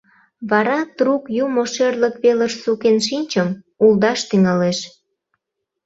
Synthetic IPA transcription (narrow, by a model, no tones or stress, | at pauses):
βɑɾɑt̪rukjumoʃerləkβeləʃsukenʃinʲt͡ɕəm | uld̪ɑʃt̪yŋɑleʃ